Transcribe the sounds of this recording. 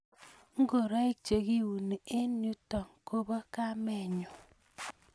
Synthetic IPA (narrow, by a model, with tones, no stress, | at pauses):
ŋ̩˦ɡo˨ɾa˦e˦t͡ʃe˨ɡi˦wu˨ne˨e˦nu˦tɔ˨ŋ˨ko˦bɔ˦ka˦mɛ˦˨ɲo˨